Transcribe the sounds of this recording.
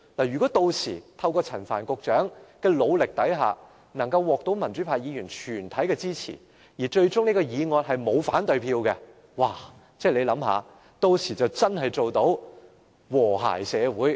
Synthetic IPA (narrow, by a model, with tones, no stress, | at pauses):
laː˨˩ɥyː˨kɔː˨˥t̪o˧wsʰiː˨˩t̪ʰɐ˧wkɔː˧t͡sʰɐ˨˩nfaː˨˩nkʊ˨k̚t͡ʃœː˨˥ŋkɛː˧lo˨˧wlɪ˨k̚t̪ɐ˨˥jɦa̰ː˨˧ | nɐ˨˩ŋkɐ˧wwɔː˨˧k̚t̪o˨˥wmɐ˨˩nt͡ʃyː˨˥pʰaː˨˧jjiː˨˧jyː˨˩nt͡ʃʰyː˨˩nt̪ʰɐ˨˥jkɛː˧t͡siː˥t͡sʰḭː˨˩ | jiː˨˩t͡ʃɵ˧ɥt͡ʃʊ˥ŋniː˥kɔː˧jiː˨˧ŋɔː˨˧t̚hɐ˨jmo˨˧wfaː˨˥nt̪ɵ˨˧ɥpʰiː˧wkɛ˧ | waː˨˩ | t͡sɛː˥˩le˨˧jlɐ˨˥mɦa̰ː˨˧ | t̪o˧wsʰiː˨˩t͡sɐ˨wt͡sɐ˥nɦɐ˨jt͡so˨wt̪o˨˥w | wɔː˨˩ɦa̰ː˨˩jsɛː˨˧wuː˨˥j